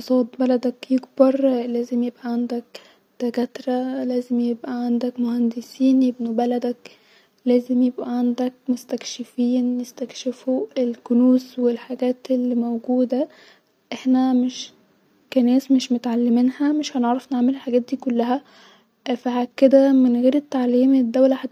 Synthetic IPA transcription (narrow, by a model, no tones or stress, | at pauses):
sˤɑːd̪bælæd̪ækjeɡbɑɾˤlæːzemjebʔæʕand̪æk | t̪æɡæt̪ɾælæːzemjebʔæʕand̪ækmohænd̪esiːnjeb̚nubælæd̪æk | læːzemjebʔæʕand̪æk̚most̪ækʃɪfiːnjest̪ækʃefuelkʊnuːswelħaɡæːt̪elːiːmowɡuːd̪æ | ʔeħnæmeʃ | kænæːsmeʃmot̪ʕalːeminhæmeʃhæneʕɾˤɑfneʕmelelħaɡæːt̪̚d̪iːkolːæɦæ | fahækːed̪æmenɣeːɾet̪ːaʕliːmed̪ːæwlæħa